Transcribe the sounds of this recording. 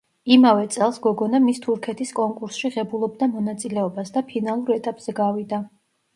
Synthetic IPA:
imavɛt̪sʼɛlˠsɡɔɡɔnamist̪ʰuɾkʰɛt̪ʰiskʼɔŋkʼuɾsʃiʁɛbulˠɔbd̪amɔnat̪sʼilɛɔbasd̪apʰinalˠuɾɛt̪ʼapʼz̥ɛɡavid̪a

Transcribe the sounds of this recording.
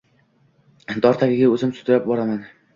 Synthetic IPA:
d̪ɒɾt̪ʰakʲɪɡʲaɵzɪmsɵ̥t̪ʰɪɾap̚bɒɾaman

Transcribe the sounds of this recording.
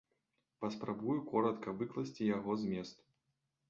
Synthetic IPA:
pɐspɾabujukɔɾɐt̪kɐvɨklˠɐsʲt͡sʲijaɣɔzmʲɛst̪

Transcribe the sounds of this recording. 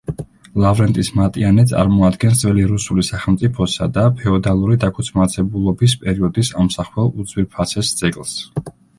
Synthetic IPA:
lˠavɾɛnt̪ʼismat̪ʼianɛt̪sʼa̰ɾmɔad̪ɡɛnsd̪zʼvɛliɾusulisaχɛlˠmt̪sʼipʰɔsa̰d̪apʰɛɔd̪alˠuɾid̪akʰut̪sʰmat̪sʰɛbulˠɔbispʼɛɾiɔd̪isamsaχwɛlˠud̪zwiɾpʰasɛsd̪z̥ɛkʼlˠs

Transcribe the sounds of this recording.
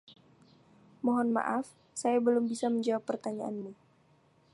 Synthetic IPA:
mɔɦɔnma̰ʔaf | sajabəlʊmbisaməɲd͡ʒawapːərt̪aɲaʔanni

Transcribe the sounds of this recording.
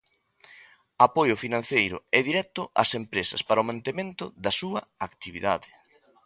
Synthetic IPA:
apojʊfinãn̟θejɾʊ̰ɛðiɾɛt̪ʊʔa̰sempɾesɐ̰spaɾɐʊmãnt̪emẽnt̪ʊðɐsuɐakt̪iβiða̰ðɪ

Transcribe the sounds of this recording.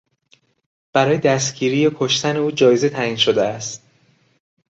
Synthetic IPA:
b̥æɾɒːjed̪æst̪ɟ̥iːɾiːjekʰo̞ʃt̪ʰæne̞uːd͡ʒɒːjeze̞t̪ʰæʔiːnʃod̪eæst̪̚

